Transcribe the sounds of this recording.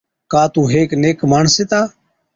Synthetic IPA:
kaːt̪ũːɦeːkneːkmaːɳseːt̪aː

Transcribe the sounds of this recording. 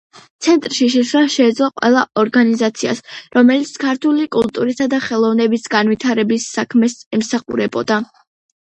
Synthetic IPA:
t̪sʰɛnt̪ʼɾʃiʃ̬ɛʃɾaʃɛːd̪zlˠɔqʼwɛ̰lˠaʔɔɾɡanizat̪sʰia̰sɾɔmɛlit̪sʰkʰaɾt̪ʰulikʼulˠt̪ʼuɾisad̪aχɛlˠɔvnɛbisɡanwit̪ʰaɾɛbisːakʰmɛsɛmsaχṵɾɛbɔd̪a

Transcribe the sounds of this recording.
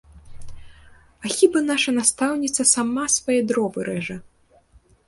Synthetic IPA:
axʲibanaʂɐnast̪awnʲit̪sɐsamasvajɛd̪ɾɔbɨɾɛʐɐ

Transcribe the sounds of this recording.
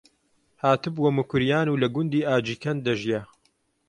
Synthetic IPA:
haːt̪ɨbwɐmukʊɾjaːnuːlɐɡʊnd̪iːʔaːd͡ʒiːkʰɐnd̪ɐʒjɐ

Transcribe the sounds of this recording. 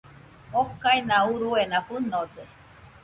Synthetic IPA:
okainãuɾuenaɸunod̪e

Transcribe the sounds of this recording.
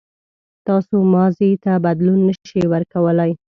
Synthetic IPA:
t̪ɑsomɑzit̪abad̪lunːəʃʃiwəɾkawəlaj

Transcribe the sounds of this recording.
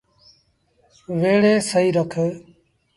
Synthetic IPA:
ʋeːɽeːsəiːɾəkʰː

